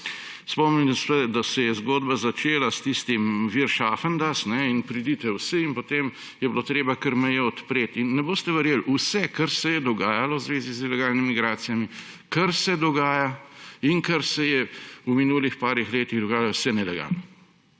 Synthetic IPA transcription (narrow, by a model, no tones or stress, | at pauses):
spɔmninst̪ɛd̪asɛjɛzɡoːd̪bazat͡ʃeːlast̪ist̪imʋiɾʃaːfənd̪asnɛinpɾid̪it̪ɛwsiinpot̪em | jɛblot̪ɾeːbakəɾmɛjɛɔt̪pɾeːt̪inːɛboːst̪ɛʋɛɾjeːlusɛkɐɾsɛjɛd̪ɔɡaːjalɔwzʋeːzizilɛɡaːlnimiiɡɾaːt̪sijami | kɐɾsɛd̪ɔɡaːjaiŋkɐɾsɛjɛuminuːlixpaːɾixleːt̪iɣd̪ɔɡaːjalɔwsɛnɛlɛɡa̰lnɔ